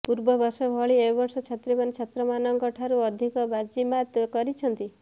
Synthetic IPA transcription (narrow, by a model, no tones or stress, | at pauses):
puɾbɔbɔsɔbʱɔɭiebɔɾsɔt͡ʃʰat̪ɾimanet͡ʃʰɔt̪ɾɔmanɔŋkɔʈʰaɾuɔd̪ʱikɔbad͡ʒimat̪kɔɾit͡ʃʰɔnt̪i